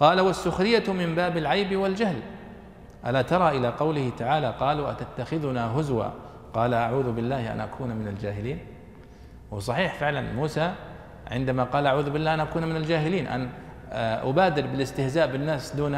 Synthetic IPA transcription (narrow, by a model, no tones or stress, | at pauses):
qɑːlawasːʊxɾɪjːamɪmbaːbalʕajbwɪld͡ʒahl | ʔa̰lat̪ɑɾˤɑʔɪlaqɑwlɪhɪt̪aʕaːlaqɑːluʔat̪at̪ːaxɪðʊnaɦʊzwa̰ | qɑːlaʔaʕuːðʊbɪlːaːhʔa̰nʔakʰuːnmɪnald͡ʒaːɦɪliːn | wsˤɑħiːħfɪʕlanmuːsa | ʕɪnd̪amaqɑːlʔaʕuːðbɪlːaːhʔanʔakuːnmɪnald͡ʒaːɦhɪliːnʔa̰na | ʔʊ̰baːd̪ɪɾbɪlɪst̪ɪhzaːʔbɪnːaːsd̪uːn